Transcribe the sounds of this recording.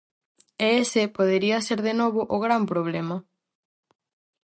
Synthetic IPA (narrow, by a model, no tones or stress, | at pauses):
eesɪpoðeɾiɐseɾðenoβ̞ʊʔʊɣɾampɾoβ̞lemɐ